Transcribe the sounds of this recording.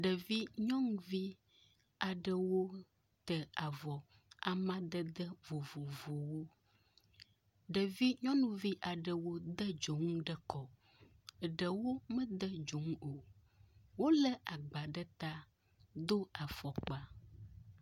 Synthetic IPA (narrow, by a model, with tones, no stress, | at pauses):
ɖə˨vi˦ɲɔ̃˦ŋu˨˦vi˦ | a˨ɖə˨wo˦ | t̪ə˨a˨vɔ˨ | a̰˨mã˦d̪ə˦d̪ə˦vo˨vo˨vo˨wo˦ | ɖə˨vi˦ɲɔ̃˦nũ˨vi˦ʔa˨ɖə˨wo˦d̪ə˦d͡ʒo˨ŋ˦ɖə˦kɔ˨ | ə˨ɖə˨wo˦mə̃˦d̪ə˦d͡ʒo˨ŋ˦o˨ | wo˦lə˦ʔa˨ɡ͡ba˨ɖə˦t̪a˦ | d̪o˦a˨fɔ˨k͡pa˨